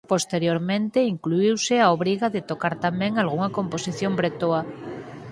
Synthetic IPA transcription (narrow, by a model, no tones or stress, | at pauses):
post̪eɾjoɾmẽnt̪eiŋkluiwseaoβ̞ɾiɣaðet̪okaɾt̪amẽŋalɣ̞uŋakõmposiθjombɾet̪oa